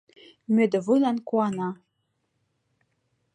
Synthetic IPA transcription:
mød̪ɘ̆vujlˠɑnkuɑnɑ

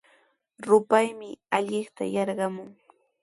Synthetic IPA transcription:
ɾʊpajmɪaʎɪχt̪a̰jɑɾɢɑmʊŋ

